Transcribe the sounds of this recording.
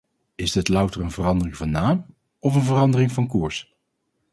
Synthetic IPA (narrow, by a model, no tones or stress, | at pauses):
ɪzdɪtlʌwtəɹənvərɑndərɪŋvɑnːaːm | ɔfənvərɑndərɪŋvɑnkuːɹs